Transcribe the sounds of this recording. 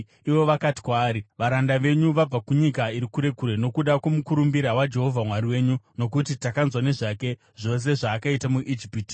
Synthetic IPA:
iʋo̞ʋakati̥kwaːɾiʋaɾandaʋe̞ɲuʋab͡vakuɲikaiɾikuɾe̞kuɾeno̞kuɗakwo̞mukuɾumbiɾawad͡ʒe̞ɦo̞vʱamwaɾiwe̞ːɲuno̞k̬utitakanzwane̞ʐake̞ | ʐ̥o̞s̬e̞ʐaːkaitamuʔid͡ʒipiːti̥

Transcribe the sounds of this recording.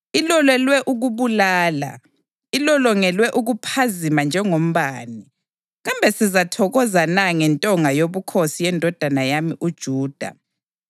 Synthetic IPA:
ilɔlɛlwɛʔuɣuβulaːla̰ | ilɔlɔŋɛlwɛʔuɣupʰazimand͡ʒʱɛŋom̩βaːni | ɣambʱɛsizatʰɔɣɔzanaŋɛntʼɔŋajoβukʰosijɛndʱɔd̥ʱanajamiʔud̥ʒ̥ʱuːd̥ʱa̰

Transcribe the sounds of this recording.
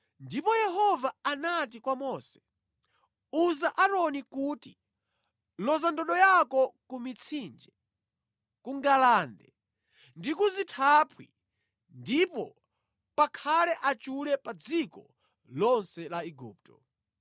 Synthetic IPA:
ndipɔjɛɦɔvaanat̬ikwamɔsɛ̥ | uzaʔaɾɔnikuːti | lɔzandɔɗɔjakɔkumit͡sʰind͡ʒɛ | kuŋɡalaːndɛ̰ | ndikuzitʰapʰwḭ | ndipɔ | pakʰalɛʔat͡ʃulɛpad͡zikɔ̰ | lɔnsɛlaiɡṵːp̚tɔ

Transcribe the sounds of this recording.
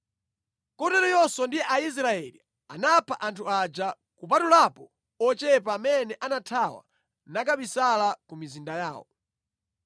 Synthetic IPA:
kɔtɛɾɔjɔsɔndijɛʔais̬ɾaɛlḭ | anapʰaʔantʰuad͡ʒa | kup̬atulapɔ | ɔt͡ʃɛp̬amɛnɛʔanatʰawa̰ | nakaɓisalakumizindajaːwɔ̰

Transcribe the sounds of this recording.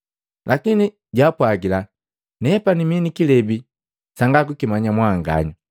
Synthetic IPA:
lʔakini | ɟaːpwaɡila | nɛpaniminikilɛbi | saŋɡak̬ukimaɲamwaŋɡa̰ɲu

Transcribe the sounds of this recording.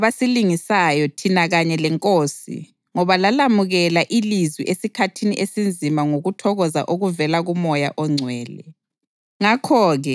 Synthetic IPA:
βasiliŋisajɔtʰinaɣaɲɛlɛŋkʼoːsḭ | ŋɔβalalamuɣɛlaʔilizwḭʔesikʰatʰiniʔesind͡zʱimaŋoɣutʰɔɣɔza̰ʔoɣuvɛlaɣumɔjaʔɔŋ͡ǀʱwɛːlɛ̰ | ŋakʰɔːɣɛ

